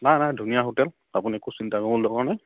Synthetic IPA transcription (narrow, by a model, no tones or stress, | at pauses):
najnajdʱunijaɦotɛl | a̰puniɛkusintakɔbɔldɔkaɹnaj